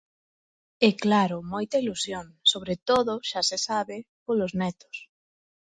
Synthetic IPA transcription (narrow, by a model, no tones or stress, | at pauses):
ɛklaɾʊmojt̪ɐilusjoŋsoβ̞ɾet̪oðʊʃasesaβɪpolʊznɛt̪ʊ̥s